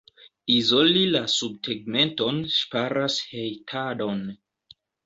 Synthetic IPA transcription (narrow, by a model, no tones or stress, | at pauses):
izo̞lilasub̚tʰeɡ̚me̞nto̞nʃpaɾashe̞jtʰado̞n